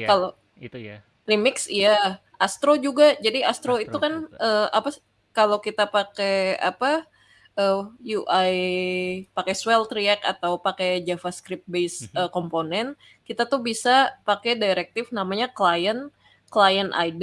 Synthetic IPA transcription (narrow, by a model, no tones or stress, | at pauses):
kalo | rimɪksija | ʔast̪ɾod͡ʒuɡad͡ʒadiast̪ɾoit̪ukanʔəapa | kalokit̪apakea̰pa | əjuʔaj | pakɛswɛlt̪ɾiɛka̰t̪awpaked͡ʒafaskɾɪp̚t̪̚besəkɔmponɛn | kit̪at̪uhbisapakɛdajɾɛk̚t̪ɪfnamaɲaklajən | klajənʔa̰jd